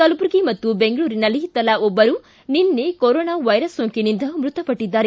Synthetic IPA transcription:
k̪ɐlupuɾɡimɐt̪ːube̞ŋɡɐɭuːɾinɐlːit̪ɐlɐʔɔbːɐɾu | ninːekoɾoːnaːʋɐjɾɐsːoːŋkinind̪ɐmɾut̪ɐpɐʈːid̪ːaːɾe

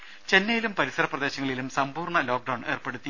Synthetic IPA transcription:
t͡ɕe̞nːɐjilumpɐɾisɐɾɐprɐd̪e̞ːɕɐŋːɐɭilumsɐmpuːrɳɐlo̞ːk̚ɖɐwɳe̞ːrpe̞ɽut̪ːi

